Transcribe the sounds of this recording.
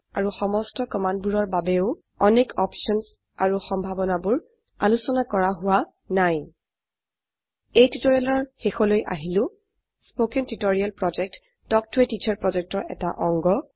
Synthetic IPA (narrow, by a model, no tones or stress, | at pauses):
aɹuxɔmɔstɔkɔmandbuɹɔɹbabɛʊ | ɔnekɔpʃɔns | aɹuxɔmbʱabɔnabʊɹ | a̰lusɔnakɔɹaɦʊwa | naj | ejtitoɹialɔɹxexɔlojʔa̰ɦilʊ̃ | spokentutoɹialpɹɔd͡ʒɛk̚t | d̥ɔk̚tʰʊɛtit͡ʃʰɔɹpɹɔd͡ʒɛk̚tɔɹɛ̰ta̰ʔɔŋɡɔ